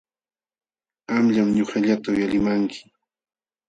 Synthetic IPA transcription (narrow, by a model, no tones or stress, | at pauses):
amʎamɲoχaʎat̪aʊjalɪmaŋkʰɪ̥